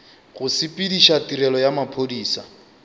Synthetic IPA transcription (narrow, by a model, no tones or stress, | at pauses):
ɣʊsɪpʼidiʃatiɾɛlɔjamapʰodiːsa̰